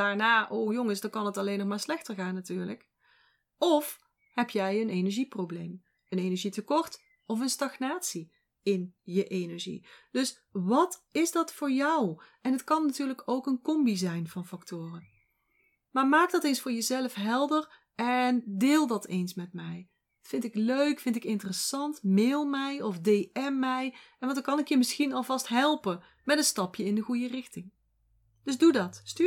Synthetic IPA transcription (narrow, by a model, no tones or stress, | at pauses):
daːɹnaːʔowjɔŋəsdɑkɑnɦətɑlejnːɔχmaːɹslɛxtəɹɣaːnːatyːɹlək | ɔf | hɛpjɛjənejnɛɹʒiprowblejm | ənenɛɹʒitəkɔɹt | ɔfənstɑɡnaːtsi | ɪnjəʔejnɛɹʒḭd̥ɵs | ʋɑtɪsdɑtfʊːɹjɑwɛnɦətkɑnːatyːɹləkowkənkɔmbizɛjnvɑnfɑktʊːrən | maːɹmaːk̚dɑtejnsfʊːɹjəzɛləfɦɛlˠdər | ɛndɪːlˠdɑtejnsmɛtmɛj | fɪntɪkløɥkfɪntɪkɪntərəsɑntmeːlˠmɛjɔfdejɛmːɛjɛnʋtkɑnɪkjəmɪsxinɑlˠvɑstɦɛlˠpən | mɛtənstɑpjəɪndəɣujərɪxtɪŋ | d̥ɵzdudɑtsty